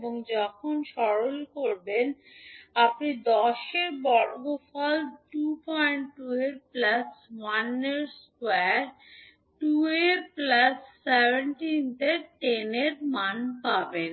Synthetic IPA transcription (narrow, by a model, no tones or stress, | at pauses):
boŋd͡ʑɔkʰonʃɔɾolkoɾben | apnid̪ɔʃeɾbɔɾɡofʰɔlʈupɔjɳʈʈueʈ̚plaswanːeɾskweɾ | ʈueɾplasːebʱeɳʈint̪eɾʈeneɾmanpaben